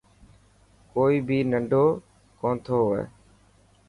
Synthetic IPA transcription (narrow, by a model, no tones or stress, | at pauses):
koːiːbʱiːnəɳɖʱoː | kõːnt̪ʰoːɦḛː